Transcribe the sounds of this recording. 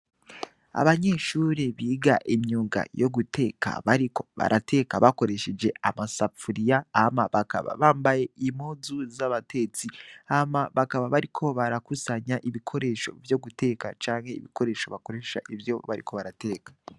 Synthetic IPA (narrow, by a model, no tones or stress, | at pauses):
a̰βaɲe̞ʃuːɾeβiːɡaʔimɲuːŋɡa̰jo̞ɡute̞ːkʰa̰βaɾiko̞̥βa̰ɾʔate̞ːkaβako̞ɾe̞ʃed͡ʒe̞amasafuɾijaːmaβaka̰βa̰βaːmbaje̞imozuzaβatʰe̞t͡siamaβakaβaβaɾikʰo̞βaɾakusaɲaʔiβikʰo̞ɾe̞ʃo̞̰vjo̞ɡute̞ːkat͡ʃaːnhe̞ḭβiko̞ɾe̞ʃo̞βako̞ɾe̞ʃa̰ʔivjo̞βaɾḭkʰo̞βaɾate̞ːkḁ